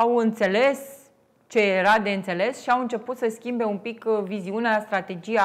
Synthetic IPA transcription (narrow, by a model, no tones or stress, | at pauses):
awɨnt̪se̞le̞s | t͡ʃe̞jeɾad̪e̞ɨnt̪se̞le̞sʃiawɨnt͡ʃe̞put̪səskʲimbe̞umpikviziuneast̪ɾat̪e̞d͡ʒia